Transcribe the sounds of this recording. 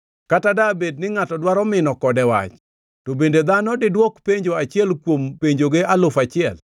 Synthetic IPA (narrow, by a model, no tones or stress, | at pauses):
katadabed̚nɪŋatɔdwaɾɔmɪnɔkɔdɛwa̰t͡ʃ | tobended̪anɔdɪdwɔkpeɲd͡ʒoat͡ʃɪɛlkwompeɲd͡ʒoɡealʊfat͡ʃɪɛl